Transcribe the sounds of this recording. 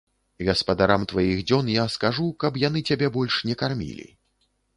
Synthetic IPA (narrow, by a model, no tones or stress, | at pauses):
ɣɐspɐd̪aɾamt̪vajiɣd͡zʲɔnjaskaʐukɐpjan̪ɨt͡sʲabʲɛbɔlʲʂnʲɛkarmʲḭlʲḭ